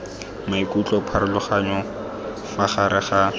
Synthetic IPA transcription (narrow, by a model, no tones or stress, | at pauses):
maikʼut͡ɬʼɔpʰaɾɪlʊχaɲɔ | faχaɾɪχa